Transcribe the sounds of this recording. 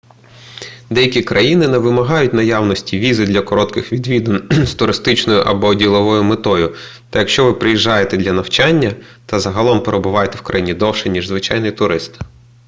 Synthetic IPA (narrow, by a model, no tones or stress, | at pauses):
d̪ɛjɐkʲikɾɐjinɪneʋɪmɐɦɑjʊtʲnɐjawnɔsʲtʲiʋʲizɪd̪lʲɐkɔɾɔt̪kɪxʋʲid̪ʋʲid̪ɐnst̪ʊɾɪst̪ɪt͡ʃnɔjʊʔɐbɔːdʲilˠɔʋɔjʊmet̪ɔjʊ | t̪ɐjɐkʃt͡ʃɔʋɪpɾɪjiʒːɑjet̪ɛd̪ʲlʲɐnɐwt͡ʃɑnʲːɐt̪ɐzɐɦɐlˠɔmpeɾebʊʋɑjet̪ɛwkɾɐjinʲid̪ɔwʃɛnʲiʒzʋɪt͡ʃɑjnɔjit̪ʊɾɪst̪ɪ̥